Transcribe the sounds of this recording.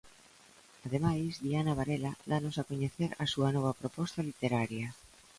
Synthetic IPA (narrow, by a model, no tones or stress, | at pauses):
aðemajzðianaβ̞aɾelad̪anosakoɲeθeɾasuɐnɔβ̞ɐpɾopɔst̪alit̪eɾaɾja